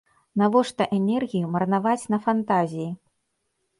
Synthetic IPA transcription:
navɔʂt̪ɐʔɛnʲɛrɣʲijumɐrnavat͡sʲnɐfant̪azʲiji

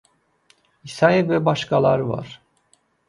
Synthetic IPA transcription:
isajɯvɛbaʃkalˠa̰ɾva̰ɾ̥

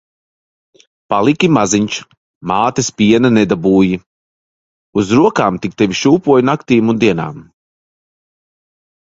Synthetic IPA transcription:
palˠikʲimaziɲt͡ʃ | maːt̪ispʲiɛnanɛd̪abuːji | uzɾuɔkaːmt̪ik̚t̪ɛvʲiʃuːpuɔjnakt̪iːmund̪iɛna̰ːm

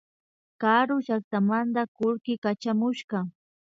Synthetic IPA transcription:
kaɾʊʃak̚t̪amant̪akʊɾkɪkat͡ʃamʊʃɢɑ

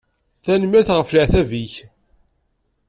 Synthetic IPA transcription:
θænməɾθʁəfliʕθæviç

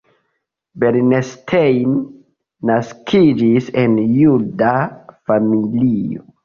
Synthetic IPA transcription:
beɾnestʰejnː | askʰid͡ʒise̞njudafamilio̰

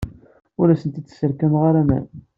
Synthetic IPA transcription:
ʊɾæsənt̪it͡sːsəɾkæmʁaɾæmæ̰n

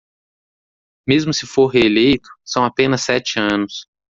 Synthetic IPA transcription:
mezmʊsɪfoɾɦeelejt̪ʊ̥sɐ̃w̃apẽnɐsːɛt͡ʃɪɐ̃nʊs

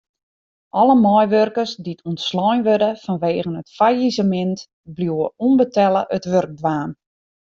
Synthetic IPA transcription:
ʔɔləmɔjʋørkərsditʰɔntslɔjnʋødəfɔnʋeːɣənətfajizəmɪnt | bljuwəunbətʰɛləʔətʋørɡ̚dʋaːn

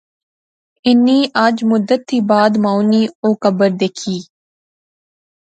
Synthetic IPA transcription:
ɪnːiːʔad͡ʒmʊd̪ət̪ːiːbaːd̪maːwniːoːkəbəɾd̪eːkʰiː

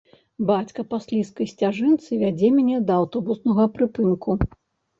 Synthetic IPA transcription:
bat͡sʲkɐpasʲlʲiskɐjsʲt͡sʲaʐɨnt̪sɨvʲad͡zʲɛmʲnʲɛd̪ɐːwt̪ɔbusnɐɣɐpɾɨpɨnkʰu

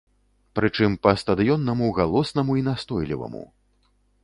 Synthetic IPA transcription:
pɾɨt͡ʂɨmpɐst̪ɐd̪ɨjɔnːɐmuɣalˠɔsnɐmuinast̪ɔjlʲḭvɐ̰mṵ

